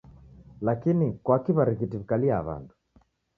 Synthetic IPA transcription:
lakinikwakiβaɾikitivikaliaβa̰ndu

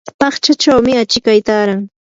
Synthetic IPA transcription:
pɑχt͡ʃat͡ʃawmɪat͡ʃɪkajt̪aːɾaŋ

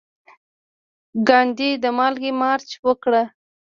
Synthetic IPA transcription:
ɡɑnd̪id̪əmɑlɡemɑɾt͡ʃwəkɽə

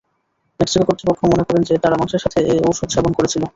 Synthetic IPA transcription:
neksikokoɾt̪ɾipokʰːomonekɔɾend͡ʑet̪aɾamanuʃeɾʃat̪ʰeeowʃod̪ʃʰabonkoɾet͡ɕʰilo

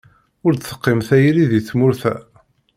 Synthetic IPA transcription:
ʊɾd̪θə̥qːɪmθæjɾiðiθmʊɾθæ̰

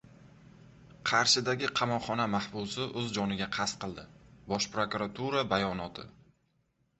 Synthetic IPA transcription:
qʰɑɾʃɪd̪aɡʲɪqʰɑmɒqχɒnamahbʊsɪʔɵzd͡ʒɒnɪɡʲaqʰɑst̪qɨlˠd̪ɪbɒʃpɾokʊɾat̪ʰuɾabajɒnɒt̪ʰɪ

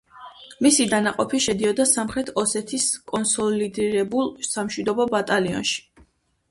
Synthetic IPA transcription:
misid̪anaqʼɔpʰiʃɛd̪iɔd̪asamχɾɛt̪ʰɔsɛt̪ʰiskʼɔnsɔlid̪iɾɛbulˠsamʃwid̪ɔbɔbat̪ʼaliɔ̰nʃi̥

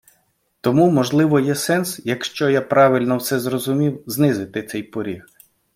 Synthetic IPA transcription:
t̪ɔmumɔʒlˠɪʋɔjɛsɛnsjɐkʃt͡ʃɔjapɾɑʋɪlʲnɔwsɛzɾɔzʊmʲiwznɪzɪt̪ɪt̪sɛjpɔɾʲix

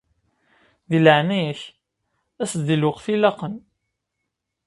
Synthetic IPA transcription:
ðiləʕnæjæç | æsd̪ilʊʁθilɑqən

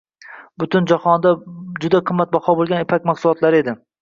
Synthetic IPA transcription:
bʊt̪ʊnd͡ʒahɒnd̪ad͡ʒʊd̪aqʰɨmːat̪̚bahɒbolˠɡʲanepʰakʲmaqsʊlˠɒt̪laɾe̞d̪ɪ

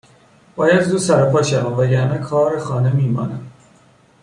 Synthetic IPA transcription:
b̥ɒːjæd̪zuːsæɾopʰɒːʃævæmvæjæɾnækʰɒːɾexɒːnemiːmɒ̰ːnæm

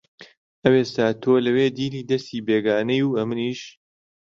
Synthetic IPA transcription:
ʔɐwest̪aːt̪ʰoːlɐweːd̪iːniːd̪ɐst̪iːbeːɡaːnɐjuɐmɨniːʃ

